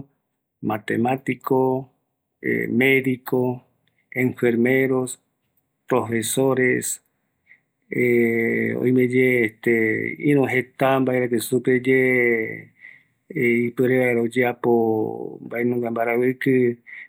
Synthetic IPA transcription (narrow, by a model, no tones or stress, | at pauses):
mat̪emat̪ikʰo̰ | meðiko | ẽɱfeɾmeɾo̞s | pɾofe̞soɾes | e | o̰ĩmed͡ʒeːht̪eḭ̃ɾ̃ũɦet̪ambaeɾakesuped͡ʒe | ipɨɾeβaeɾaod͡ʒeapombaenũŋɡambaɾaβɨkɨ